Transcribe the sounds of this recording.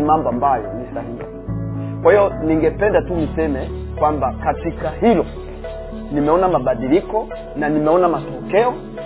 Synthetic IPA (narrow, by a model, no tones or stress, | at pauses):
mambɔambajɔnisahii | kwahijɔniŋɡɛpɛndatunisɛmɛkwambakatikaɦilɔ | nimɛɔnamaɓaɗilikɔ | nanimɛɔnamatɔkɛɔ